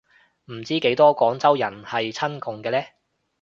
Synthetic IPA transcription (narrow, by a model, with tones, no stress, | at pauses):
m̩˨˩t͡siː˥ke˨˥jt̪ɔː˥kɔː˨˥ŋt͡sɐ˥wjɐ˨˩nhɐ˨jt͡sʰɐ˥nkʊ˨ŋkɛː˧lɛː˥